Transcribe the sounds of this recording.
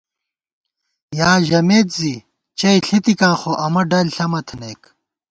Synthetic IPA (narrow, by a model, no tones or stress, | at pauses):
jaːʑɐmeːt̪zi | t͡ɕɐiɬit̪ikãːxoʔɐmɐɖɐlɬɐmɐt̪ʰneːk